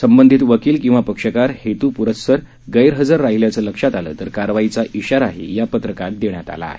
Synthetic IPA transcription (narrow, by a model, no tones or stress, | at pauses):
səmbənd̪ʱit̪ʋəkiːlkĩw̃ʋapəkʂəkaɾhet̪uːpuɾət̪səɾ | ɡəjɾɦəd͡zaɾːaɦiljat͡səːləkʂat̪alə̰ːt̪əɾkaɾʋait͡saʔiɕaɾaɦḛjapət̪ɾəkat̪̚d̪eɳjat̪a̰la̰ːɦe